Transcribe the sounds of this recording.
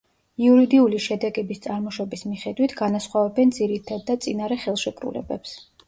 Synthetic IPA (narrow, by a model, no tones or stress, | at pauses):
iuɾid̪iuliʃɛd̪ɛɡɛbist̪sʼaɾmɔʃɔbismiχɛd̪wit̪ʰɡanasχwavɛbɛnd̪ziɾit̪ʰad̪ːat̪sʼinaɾɛχɛlˠʃɛkʼɾṵlɛ̰bɛps